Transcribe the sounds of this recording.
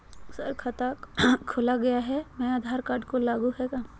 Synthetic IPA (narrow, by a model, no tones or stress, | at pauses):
sɐɾkʰat̪akʰːʊlaɡɐjaɦɛmɛ̃aːd̪ʱaːɾkaːɾɖkolaːɡũɦɛka